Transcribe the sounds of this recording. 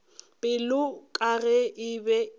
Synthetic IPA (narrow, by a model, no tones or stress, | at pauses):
pʼɪlʊkʼaɣɛʔɪbɛ